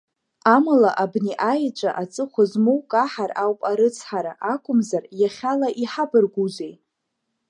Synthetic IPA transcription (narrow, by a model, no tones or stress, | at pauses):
amalaʔabniʔajt͡ʃʷʼaʔat͡sʼɨχʷʊzmowkʼaħarawpʼaɾɨt͡sʰħaɾaʔakʷʰʼʊmzarjaχʲalaʔiħabɨrɡʷuzʷej